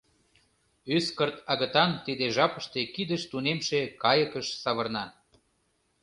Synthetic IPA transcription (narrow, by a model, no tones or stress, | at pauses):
yskərt̪ɑɣə̆t̪ɑnt̪id̪eʒɑpə̆ʃt̪ekid̪əʃt̪unemʃekɑjəkəʃsɑβɤ̆rnɑ